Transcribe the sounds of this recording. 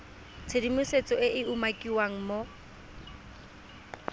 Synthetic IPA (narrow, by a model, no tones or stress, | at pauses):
t͡sʰedimʊset͡sʼɔɪʔɪumakʼiwaŋ̩mo